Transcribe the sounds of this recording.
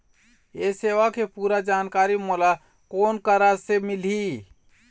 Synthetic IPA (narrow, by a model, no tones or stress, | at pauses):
eseʋakepuɾad͡ʒankaɾimola | konkəɾasemili